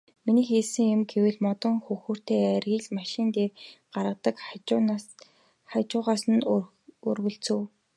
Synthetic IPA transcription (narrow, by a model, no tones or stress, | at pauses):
miniːxeːɮsɘ̆ŋjʊ̆mɡewɘ̆ɮmɔt̪ɞ̆ŋxɵxuːr̥t̪eːærɣiːɮmaʃɪ̆nt̪eːɢ̥aɾʁə̆t̪ə̆k | χat͡ɕʊːʁaːsə̆n | ɵ̰rwɵ̆ɬt͡sɘ̆w